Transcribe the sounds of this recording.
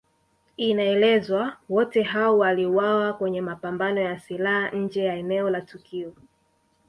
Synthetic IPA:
inaɛlɛzwawɔtɛɦaɔwaliuwawakwɛɲɛmapambanɔjasilahaɲ̩d͡ʒɛjaɛnɛɔlatukiɔ

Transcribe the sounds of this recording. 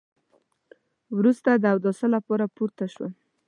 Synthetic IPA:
wɾust̪ad̪əawd̪ɔsəlapoɾapuɾt̪aʃwa

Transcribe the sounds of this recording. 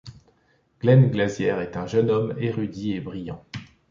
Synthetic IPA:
ɡ̥lɛnɡlazjɛʁɛt̪ɛ̃ʒənɔmeʁyd̪iebʁijɑ̃

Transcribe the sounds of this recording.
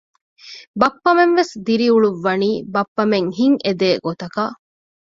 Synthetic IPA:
bɐpːɐmenʋesd̪iɾiuɭuʋːɐniːbɐpːɐmeŋɦiŋʔed̪eːɡot̪ɐkɐ

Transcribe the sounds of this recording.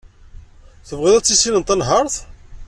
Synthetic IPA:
θəvʁɪðæt͡sːisinənt̪ːænɦəɾˤθ

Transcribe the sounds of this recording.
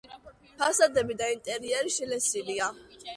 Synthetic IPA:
pʰasad̪ɛbid̪aint̪ʼɛɾiɛɾiʃɛlɛsilia

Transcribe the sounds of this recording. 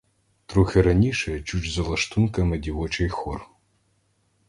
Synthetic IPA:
t̪ɾuxʲɪɾɐnʲiʃɛɐt͡ʃut͡ʃʲzɐlˠɐʃt̪unkɐmɪdʲiʋɔt͡ʃejxɔr

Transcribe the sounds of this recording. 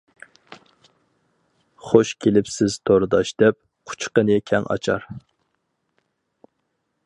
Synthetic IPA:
χoʃkʲʰelɪpsɪz̥t̪ʰoɾɨd̪ɑʃd̪̥ɛp̚ | qʰʊ̥t͡ʃqənɨkʲʰɛŋʔɑ̰t͡ʃʰɑ̰ɾ

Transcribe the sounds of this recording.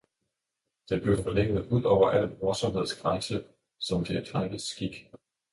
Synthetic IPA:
d̥enb̥le̝ʊfɒ̽leŋ̰ð̩ˠuð̰ˠɒʊ̰ɐʔæl̰mɒɐsɒ̽mɦe̝ð̞̰ˠsɡ̥ʁäŋsə | sɒ̽md̥ʰe̝ed̥fɑɡ̥əsɡ̥iɡ̥

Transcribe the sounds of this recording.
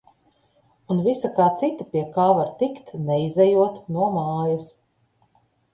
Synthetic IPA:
unvisakaːt̪sit̪apiɛkaːvaɾt̪ikt̪nɛizɛjuɔt̪nuɔmaːjɐs

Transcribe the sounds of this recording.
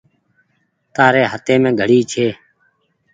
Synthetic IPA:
t̪aːɾeːɦət̪eːmẽːɡʱəɽiːt͡ʃʰeː

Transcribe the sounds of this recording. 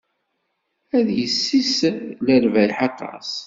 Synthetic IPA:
æðjəsːisləlvælħɑt̪ːɑ̰s

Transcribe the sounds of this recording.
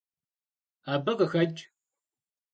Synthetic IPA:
aːbɐqəxɐt͡ʃʼ

